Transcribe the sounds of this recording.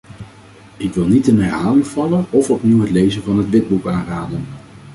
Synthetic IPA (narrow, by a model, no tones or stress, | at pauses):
ɪkʋɪlˠnitənɛrɦaːlɪŋvɑlənɔfɔpniwɦətlejzənvɑnɦətʋɪd̚bukaːnraːdən